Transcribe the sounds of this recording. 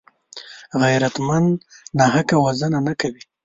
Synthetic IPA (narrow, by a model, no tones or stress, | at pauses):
ɣajɾat̪mannɑɦakawazənanakawi